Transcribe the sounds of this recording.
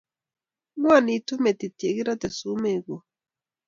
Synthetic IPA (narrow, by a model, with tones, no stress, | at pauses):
ŋwa˦˨ni˨tu˦me˨t̪i˨te˨ɣi˦ɾa˦t̪e˨su˨˦me˦˨ɣo˨